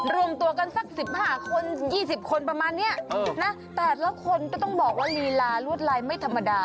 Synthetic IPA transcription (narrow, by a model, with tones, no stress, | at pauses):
ɾu˧əmt̪u˧əka˧nsa˨˩k̚si˨˩p̚haː˥˩kʰo˧njiː˥˩si˨˩p̚kʰo˧npɾa˧maː˧nːi˦˥˩ɐʔɤː˧na˦˥ | t̪ɛː˨˩lɛː˦˥kʰo˧nkɔ˧˩t̪ɔ˥˩ŋbɔː˨˩k̚waː˥˩liː˧laː˧lu˥˩ət̪̚laː˧jma˥˩jt̪ʰa˧mːa˧daː˧